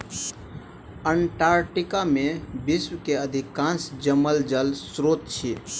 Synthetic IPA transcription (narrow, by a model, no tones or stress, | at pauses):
əɳʈaːɾʈikamẽbiswkeəd̪ʱikãnsd͡ʒəməld͡ʒəlsɾoːt̪̚t͡ʃʰi